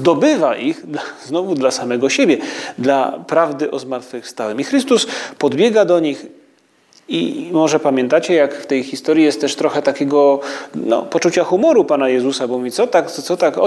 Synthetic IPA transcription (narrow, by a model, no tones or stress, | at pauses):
d̪ɔbɘvaʔixznɔvud̪lasamɛɡɔɕebʲjɛd̪lapɾavd̪ɘʔɔzmaɾt̪fɘfst̪awɛmixɾɘst̪uspɔd̪bʲjɛɡad̪ɔɲix | ḭmɔʐɛpamʲjɛ̃nt̪at͡ɕɛjakft̪ɛjxʲist̪ɔɾjijɛst̪t̪ːɛʂt̪ɾɔxɛt̪akʲeɡɔnɔ̰pɔt͡ʂut͡ɕaxumɔɾupanajɛzusabɔuit̪ɔt̪akt̪sɔt̪akɔ̰